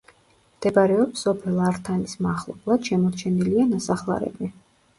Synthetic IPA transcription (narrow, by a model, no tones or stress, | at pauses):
md̪̥ɛbaɾɛɔpsɔpʰɛlˠaɾt̪ʰanismaχlˠɔ̰blˠad̪̥ʃɛmɔɾt͡ʃʰɛnilianasaχlˠa̰ɾɛ̰bi